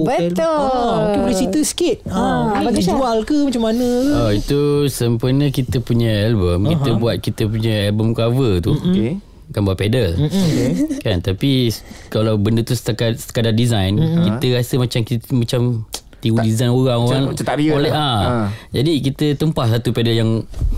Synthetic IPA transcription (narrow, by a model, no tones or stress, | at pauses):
bəəokebəlesit̪əsə̥kit̪̚aaualkəmat͡ʃamːanə̃ɔit̪usəmpərnə̃kit̪əpuɲəɛlbəmkit̪əbuat̪̚kit̪əp̬uɲəɛlbəmkavət̪u | kanbuaʔ̚pedəl | kant̪apikalawbəndət̪ust̪akat̪̚sə̥kadadizajnkiəɾasəmat͡ʃamkmat͡ʃam | t̪iɡudizajnoɾaŋoɾaŋaolɛad͡ʒadikit̪ət̪əmpahsat̪upɛdəljaŋ